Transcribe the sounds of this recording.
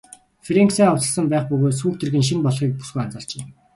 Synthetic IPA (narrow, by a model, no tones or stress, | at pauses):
fɾeŋksæːʊt͡sə̆ɮsə̆mpæːχpɵɣoːt̪s̬uːk̚t̪erɣɘ̆nʃ̬impɔɮχiːk̚pu̥sɡujant͡săːɮ̥t͡ɕeː